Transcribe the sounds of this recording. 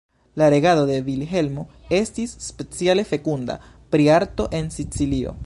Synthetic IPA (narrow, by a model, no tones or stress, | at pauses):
laɾe̞ɡado̞de̞vilɦe̞lmo | e̞stisːpe̞t͡siale̞fe̞kunda̰ | pɾiaɾto̞ʔe̞nsit͡silio̞̰